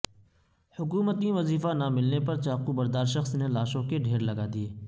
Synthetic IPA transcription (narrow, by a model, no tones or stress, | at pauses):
hʊkuːmət̪ĩʋɐziːfanamɪlnepɐɾt͡ʃaːqubɐɾd̪aːɾʃɐxsnelaːʃõkeɖʱeːɾlɐɡaːd̪ieː